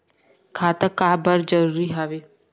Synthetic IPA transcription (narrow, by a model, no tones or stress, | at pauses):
kʰaːt̪əkaːbəɾd͡ʒəɾuːɾiɦaʋeː